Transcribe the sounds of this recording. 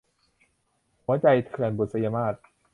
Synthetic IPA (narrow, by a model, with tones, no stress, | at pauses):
hu˩˦ɐt͡ɕa˧jt̪ʰɯ˧˩ənbu˨˩sa˧jaː˧maː˥˩t̪̚